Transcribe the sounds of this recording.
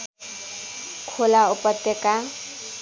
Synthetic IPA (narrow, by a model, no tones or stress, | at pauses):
kʰolaupɔt̪ːjeka